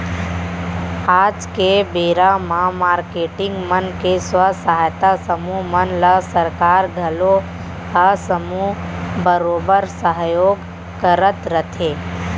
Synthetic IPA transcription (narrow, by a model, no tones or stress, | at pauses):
aːd͡ʒkebeːɾamãmaːɾkeːʈɪ̃ŋɡmənkeswəsəɦajt̪asəmumənləsəɾkaːɾɡʱɐlo | həsəmubəɾoːbəɾsəɦjoːɡ | kəɾət̪ɾət̪ʰeː